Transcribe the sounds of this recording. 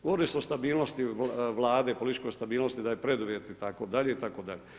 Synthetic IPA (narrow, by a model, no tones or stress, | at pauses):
ɡoɾisost̪abiːlnost̪iʋlˠaːd̪e̞polit̪it͡ʃko̞jst̪abiːlnost̪id̪ajepɾed̪uʋjet̪it̪akod̪aʎe̞it̪akod̪aʎe